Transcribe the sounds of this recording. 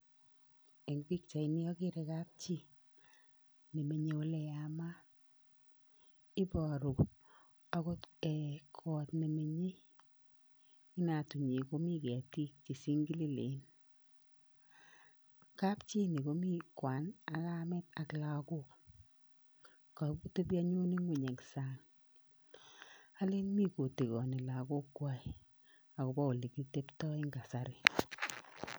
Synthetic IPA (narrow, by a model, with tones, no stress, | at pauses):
ɛ˨ŋbi˦k̚t͡ʃa˨i˨nɪ˦ɔ˦ke˦ɾɛ˨ka˦p̚t͡ʃi˦ | ne˨me˨ɲe˨o˦lɛ˨a˨ma˦ | ɪ˦bɔ˨ɾʊ˨ | a˦ko˦tɛ˨kʰɔ˨tne˨me˨ɲe˦ | ɪ˦na˨tu˨ɲe˨ko˦mi˦ke˨a˨ti˦k̚t͡ʃe˨si˦ŋɡi˦li˦lḛ˨˦n | ka˦pt͡ʃi˦ni˨ko˨˦mi˦kwa˨˦na˨ka˦mɛ˦t̚a˨kla˨ko˦k | to˦pja˦ɲu˦ni˦ŋɡu˨ɲe˨ksa˦ŋ | a˦le˦nmi˦ko˨te˨kɔ˨ni˨la˨ko˦kːwa˦i˨ | a˨ko˨bɔ˦u˨li˨ki˦te˦ptɔ˦i˦ŋɡa˨sa˦ɾɪ˨